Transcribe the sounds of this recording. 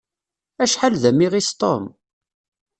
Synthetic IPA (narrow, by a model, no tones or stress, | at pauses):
æʃħalðæmiʁist̪ˤo̰m